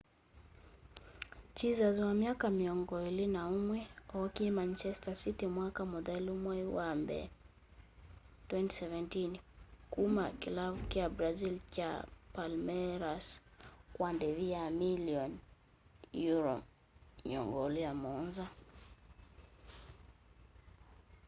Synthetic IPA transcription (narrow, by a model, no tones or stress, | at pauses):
t͡ʃizazwamiakamiɔŋɡɔɛlinaumwɛɔkiɛmant͡ʃɛstasitimwakamɔðɛlumwɛiwambɛ̰ | twɛnti̥sɛvɛntinkumakilavukiabɾazilt͡ʃa̰palmɛɾaskwandɛviamiljɔn | juɾɔ̰ | ɲiɔ̰ŋɡɔlijamɔnza